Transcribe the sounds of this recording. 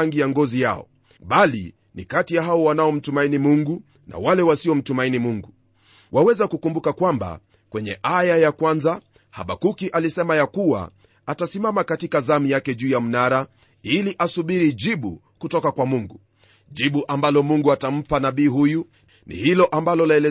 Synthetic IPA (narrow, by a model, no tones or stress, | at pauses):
ŋɡijaŋɡɔzija̰ɔ̰ | ɓalḭ | nḭkatijaɦaɔwanaɔm̩tumainimuŋɡu | na̰walɛwasiɔm̩tumainimuŋɡu | wʔawɛzakukumbukakwamba̰ | kwɛɲɛ̰ʔajajakwanza | ha̰ɓa̰kukiʔalisɛmajakuwa̰ | atasimamakatikazamijakɛʄuːjam̩naɾa | iliʔasuɓiɾiʄiɓu | kutɔkakwamuŋɡu | ʄiɓuʔambalɔmuŋɡuatam̩panaɓiːɦuju | nḭhilɔʔambalɔlaɛlɛ